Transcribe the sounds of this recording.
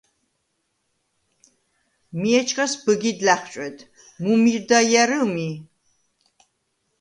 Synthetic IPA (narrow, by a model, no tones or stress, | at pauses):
miɛt͡ʃʰkʼasbɨɡid̪laχt͡ʃʼɛt̪ʰ | mumiɾd̪ajɛɾɨmi